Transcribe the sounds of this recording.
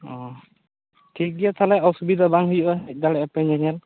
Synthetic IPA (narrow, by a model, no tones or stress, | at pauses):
ɔ̃ | tʰik̚iat̪ʰalɛɔsubid̪abaŋɦujɔʔaɛd̪alɛpɛɲɛɲɛl